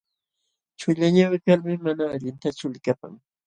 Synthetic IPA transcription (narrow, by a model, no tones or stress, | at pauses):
t͡ʃʊʎaɲawɪkalmɪmanaːʎɪnt̪at͡ʃʊlɪkapa̰ŋ